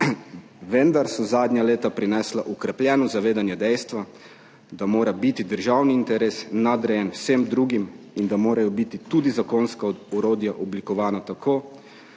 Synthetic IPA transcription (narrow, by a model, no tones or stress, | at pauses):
ʋɛnd̪aɾsɔzaːd̪nʲaleːt̪apɾinɛːslaʔɔkɾɛplʲjɛːnɔzaʋeːd̪anjɛd̪ɛjst̪ʋa | d̪amoːɾabit̪id̪əɾʒawniːnt̪ɛɾeːsnad̪ɾɛjɛnwsemd̪ɾuːɡimind̪amoːɾajɔbit̪it̪uːd̪izakoːnskaɔɾoːd̪jaʔɔblikɔʋaːnat̪akʰoː